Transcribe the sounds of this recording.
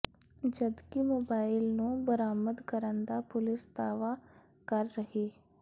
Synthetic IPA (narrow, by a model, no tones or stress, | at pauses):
d͡ʒəd̪kimoːbaːɪlnũːbəɾaːməd̪kəɾənd̪apʊlɪsd̪aːʋa | kəɾːəɦeː